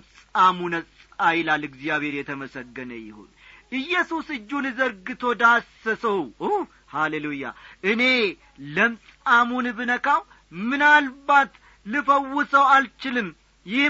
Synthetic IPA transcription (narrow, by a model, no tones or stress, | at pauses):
t͡sʼamunət͡sʼajlalɨɡzijaβhe̞ɾjɛt̪ʰəməsəɡːənə̰jɪ̰ho̰nʔɨjːɛsusɨd͡ʒːunɨzəɾɡɨt̪ʰo̞d̪asːəsəwu | haleluja̰ʔɨne̞ | ləmsʼamunbɨnəkaw | mɨnalbat̪ | lɨfəwːʊsəwalt͡ʃɪlɨm | jɪ